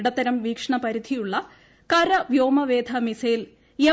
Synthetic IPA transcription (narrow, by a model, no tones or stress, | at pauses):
ɽɐt̪ːɐɾɐmʋiːkʂɐɳɐpɐɾid̪ʱijuɭːɐ | kɐɾɐʋjoːmɐʋeːd̪ʱɐmisejil | je